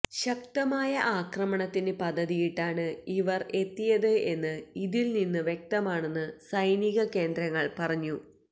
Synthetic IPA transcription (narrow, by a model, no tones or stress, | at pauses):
ɕɐk̚t̪ɐmaːjɐʔaːkrɐmɐɳɐt̪ːindepɐd̪ʱːɐðijiʈːaːɳɨiʋɐre̞t̪ːijɐðɨe̞nːɨiðilninːɨʋjek̚t̪ɐmaːɳe̞nːɨsɐjniɣɐke̞ːnd̪ɾɐŋːɐɭpɐrɐɲːu